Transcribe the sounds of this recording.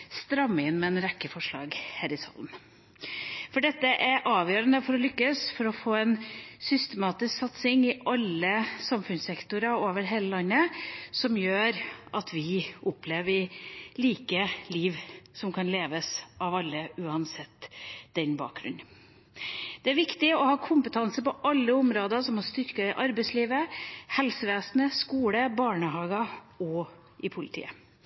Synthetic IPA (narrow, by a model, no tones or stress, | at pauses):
st̪ɾɑmːɪnmɛɛnɾɛkːəfɔʂɭɑ̰ːɡhæːɾɪsɑ̰ln | fɔɖɛt̪ːəʔæɾʔɑːʋjøːɾənəfɔɾɔlʏkːəsfɔɾɔfoːɛnsʏst̪ɛmɑːt̪ɪsksɑt̪sɪŋɪʔɑlːəsɑmfʉnsɛkt̪ʊɾəoːʋəɾɦeːləlɑnːəsɔmjøːɾʔɑt̪ʰʋɪʔʊpʰleːʋɪliːkəliːʋsɔmkʰɑnleːʋəsɑʋɑlːəʉːɑnsɛt̪ːd̪̥ɛnbɑ̰ːk̚ɡɾʉ̰nː | d̪̥ɛæɾʋɪkt̪ɪɔhɑːkʰʊmpət̪ʰɑnsəpɔʔɑlːəʊmɾoːd̪əsɔmhɑst̪ʏɾkɑɪʔɑɾbɛɪsliːʋəhɛlsəʋeːsnəskuːləbɑːɳəɦɑːɡɑ | ɔ | ɪpʰʊlɪt̪ʰḭːə